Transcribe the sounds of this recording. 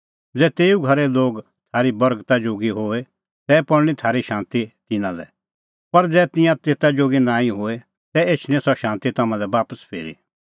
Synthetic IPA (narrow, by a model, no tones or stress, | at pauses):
d͡zɛːt̪eːuɡʱɐɾɛloːɡ | t̪ʰaːɾibɐɾɡt̪ad͡ʒoːɡiɦoːe | t̪ɛpɐɽɽ̃it̪ʰaːɾiʃãːnt̪it̪ɪnãlɛ̰ | pɐɾd͡zɛːt̪ɪ̃jãt̪eːt̪ad͡ʒoːɡinaːĩɦoːe | t̪ɛeːt͡ʃʰñĩsɔʃãːnt̪it̪ɐmãlɛʋaːpəspʰḛːɾḭ